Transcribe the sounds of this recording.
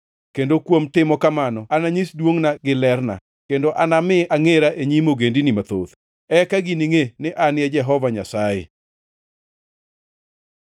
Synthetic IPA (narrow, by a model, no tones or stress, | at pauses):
kendokwomtɪmɔkamanɔanaɲisdwoŋnaɡɪlɛrna̰ | kendoʔanamɪaŋeɾaʔeɲimoɡendinimat̪o̰ð | ɛkaɡiniŋenɪʔanɛd͡ʒɛɦɔvaɲasajḛ